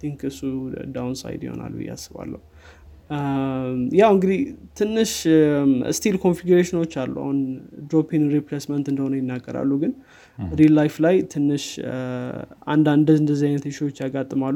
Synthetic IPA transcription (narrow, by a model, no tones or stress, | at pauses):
t̪ʰiŋkɨsːud̪awnsa̰jd̪jɪ̰ho̞̰na̰lːbɨ̰jːa̰sːɨβa̰lːə̰hu | jawɨŋɡɨd̪iht̪ʰɨnːɨʃ | st̪ʰilkʰo̞nfiɡuɾeʃɪno̞t͡ʃːalːṵa̰hund̪ɾopʰinɾipɾesmənt̪ɨnd̪əhonəjɪnːaɡʼːəɾa̰lːuɡɨn | ɾilːajflajt̪ʰɨnːɨʃ | ʔa̰nd̪and̪əzɨnd̪əzːiajnət̪ʃiwot͡ʃːjaɡat̪ʼːɨmalːu